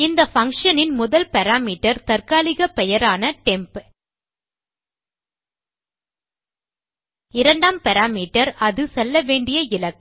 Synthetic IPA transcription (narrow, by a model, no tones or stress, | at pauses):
ɪnd̪ɐfɐŋkʂɐnɪnmʊðɐlpɛɾaːmiːʈːɐɾt̪ɐrkaːlɪɣɐpɛjɐɾaːnɐʈɛmp | ɪɾɐɳɖaːmpɛɾaːmiːʈɐɾɐðɯsɛlːɐʋeːɳɖɪjɐɪlɐk